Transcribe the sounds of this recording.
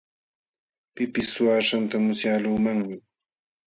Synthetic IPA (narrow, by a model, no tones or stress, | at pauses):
pɪpɪsːʊaːʂant̪amʊsjaluːmaŋmɪ